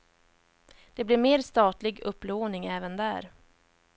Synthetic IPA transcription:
d̪̥ɛblɪɾmeːɾst̪ɑːt̪lɪɡɵpːloːnɪŋɛːvənd̪æːɾ

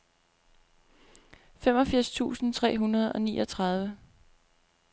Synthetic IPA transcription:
femɒ̽fiɐ̰st͡sʰṵːsn̩t͡sʰʁɛ̰ːɦunɐð̞̩ˠɒ̽niːʔɒ̽t͡sʰʁɑ̈ð̞ˠʋə

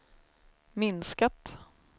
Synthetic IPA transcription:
mɪnskat̪

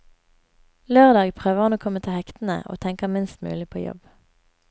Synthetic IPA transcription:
løːʁd̪ɑːɡpʰʁøːʋəʁɔnoːkʰɔmət̪ʰɪlhɛkt̪n̩ə̰ʔo̰ːt̪ʰɛŋkəmɪnst̪mʉ̰ːlɪpʰo̰ːjɔ̰b

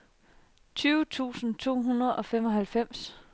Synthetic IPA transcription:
t͡sʰyːʊt͡sʰṵːsn̩t͡sʰo̝̰ːɦunɐð̞̩ˠɒ̽fem̰ɒ̽ɦælfem̰s

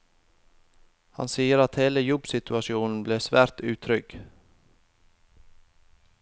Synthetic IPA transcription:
hɑ̰nsiːəɾɑt̪heːləjɔbsɪt̪ʉɑʃɪuːnn̩bleːsʋæːɾt̪ʉːt̪ʰɾʏɡ̥

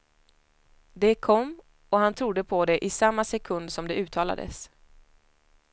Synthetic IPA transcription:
d̪ɛkʰɔmː | ɔhant̪ʰɾʊd̪ːəpʰɔd̪ɛʔɪsamːasɛkʰɵnd̪sɔmd̪ɛʉ̟ːt̪ʰɑːla̰d̪ə̰s

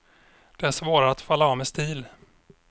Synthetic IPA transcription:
d̪̥ɛæʂvoːɾaat̪falːaɑvmɛst̪iːl

